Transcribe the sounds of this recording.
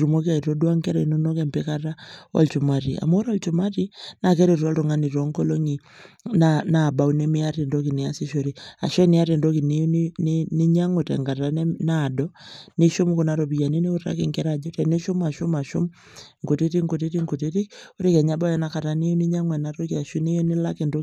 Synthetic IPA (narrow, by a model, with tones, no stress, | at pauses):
ɾu˨mo˦k̬a˨i˨ɾɔ˦dwa˦ŋkɛ˦ɾɛ˨nu˦nɔ˦kɛ˦mpɛ˦ka˦ta˦ɔ̰˨lt͡ʃu˨ma˦ɾḭ˨a̰˨mo˦ɾɔ˦lt͡ʃu˨ma˦ti˦na˨kɛ˦ɾe˨ɾɔ˦lɾɔ˨ŋa˦ni˨ɾɔ˦ŋkɔ˦lo˦ŋi˨ | nana˨ba˨u˦nɛ˦mɪ˦a˦tɛ˨ndɔ˦ki˨nɪ˨a˦si˦ʃo˨ɾi˦a̰˨ʃɔ˦nɪ˦a˦ɾɛ˨ndo˦ki˨ni˦n˦nni˦ɲa˦ŋo˨tɛ̰˨ŋɡa˨ta˦nɛ˦na˦˨dɔ˦ni˦ʃʊ˦mku˨na˨ɾɔ˨bi˨ja˨ni˦ni˦u˦ta̰˦ki˨ŋkɛ˦ɾa˨d͡ʒɔ˦tɛ˨ni˦ʃʊ˦ma˨ʃʊ˦ma˨ʃʊ˦m | ŋɡu˨ti˦ti˦ŋɡo˨ti˦ti˦ŋɡu˨ti˦ti˦ko˦ɾi˦kɛ˨ɲa˦ba˦jɔ˦na˦ka˨ta˨ni˦o˦ni˦ɲa˦ŋwɛ˨na˨˦ɾo˦kia˨ʃu˦ne˦jɔ˦ni˦la˦ki˨ndo˦